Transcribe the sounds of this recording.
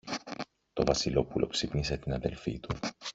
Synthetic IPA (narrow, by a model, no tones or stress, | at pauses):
t̪o̞vɐsilo̞pulo̞̰ksipnis̬e̞t̪inɐðe̞̰lfḭt̪u